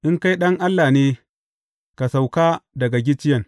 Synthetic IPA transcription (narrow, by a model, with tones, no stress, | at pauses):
ʔɪ˦ŋka˦jɗɐ˦ŋʔa˦lːaː˨neː˦ | ka˨sa˨wkaː˦dɐ˨ɡa˨ɡʲɪ˦t͡ʃɪ˦jɐ˨ŋ